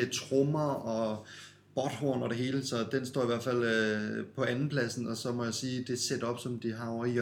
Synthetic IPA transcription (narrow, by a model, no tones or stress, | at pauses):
et͡sʰʁɔmɐɒ̽ | b̥ɒd̥hoːnɒ̽d̥e̝ɦe̝ːləsɒ̽d̥ensd̥ɒ̰ːiʋæɐ̰fæl̰pʰɒ̽ænn̩pʰlæsn̩ɒ̽sɒ̽mɒ̽jæsiːd̥e̝sed̥ɒ̽b̥sɒ̽md̥iɦɑ̈ɒɐi